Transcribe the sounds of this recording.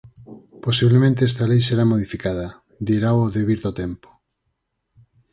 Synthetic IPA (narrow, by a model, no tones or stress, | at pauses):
posiβlemẽnt̪̬eɛst̪alejseɾamoðifikaðɐ | d̪iɾawoðeβiɾðot̪empo̥